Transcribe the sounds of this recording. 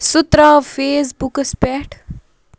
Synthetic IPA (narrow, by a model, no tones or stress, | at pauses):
sut̪ɾɐfeːs̬bukəspɛʈ